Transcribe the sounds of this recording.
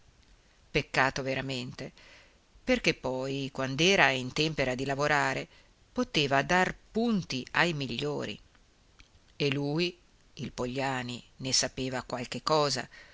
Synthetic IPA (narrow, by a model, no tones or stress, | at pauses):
pekːaːt̪oveɾament̪e | perkepːɔjkwand̪ɛːɾaint̪ɛmpeɾad̪ilavoɾaːɾe | pot̪eːvad̪arpunt̪iajmiʎːoːɾḭ | elːuːj | ilpoʎːaːni | nesapeːvakwalkekːɔːza̰